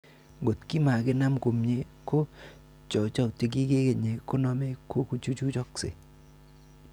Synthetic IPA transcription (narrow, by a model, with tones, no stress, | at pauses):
ɡo˨tki˦ma˨kɪ˦na˦mko˨mɲe˨˦ | ko˦ | t͡ʃɔ˨t͡ʃa˦˨te˨k̬i˦ke˦ke˨ɲe˨ko˦nɔ˦me˦ko˦ku˦t͡ʃu˦t͡ʃu˦t͡ʃɔ˦ksḛ˨